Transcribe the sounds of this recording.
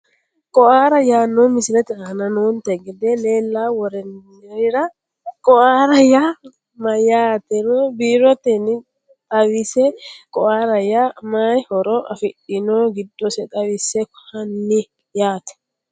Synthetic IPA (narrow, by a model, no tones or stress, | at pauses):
kʼɔʔaːɾɐjaːnːomɪsɪlɛt̪ɛanɐnoːnt̪ɛɡɛd̪ɛle̞ːlːaːwɔɾɛnː | ɛɾɪɾɐ | kʼɔʔaːɾɐja | mɐjaːt̪ɛɾobiːɾɔt̪ɛnɪ | t̪ʼɐwisɛkʼɔʔaːɾɐjamajhɔɾɔʔɐfɪɗɪnoːɡɪd̪ːɔsɛt̪ʼɐwɪsɛkhɐnːɪ | jaːt̪ɛ̥